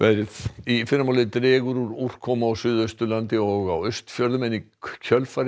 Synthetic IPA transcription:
vɛɾðifɪɾamaːwlɪt̪ɾɛːɣʏɾuɾur̥kʰːɔmaːwsʏːðœst̪ʏlant̪ɪɔɣawœɥst̪fjœɾðʏmɛnːi | cʰœlfaɾ

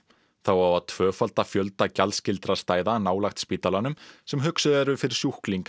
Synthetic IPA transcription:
θawawaðt̪ʰvœːfalt̪afjœlt̪acalscɪlt̪ɾast̪aːjðanaːwlaxt̪spiːt̪alanʏmsɛmɦʏksʏvɛɾʏfɪɾɪ̥sjuhkliŋk

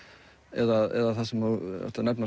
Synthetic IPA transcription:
ɛ̰ðaðɛ̰ðaθasɛmoɛ̰ht̪anɛpna

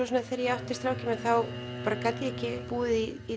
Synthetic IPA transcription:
ɔs̬ɔnːaðθɛɾjɛawht̪ɪst̪ɾawcɪmɛθaw | paːɾakajt̪lɪɛhcɪpuːðɪii

